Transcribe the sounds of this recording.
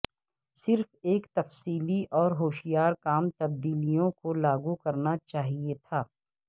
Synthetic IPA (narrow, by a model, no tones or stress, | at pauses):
sɪɾfeːkt̪ɐfsiːliʔɔːɾɦoːʃijaːɾkaːmt̪ɐb̚d̪iːlijõkolaːɡukɐɾnat͡ʃaːɦiet̪ʰaː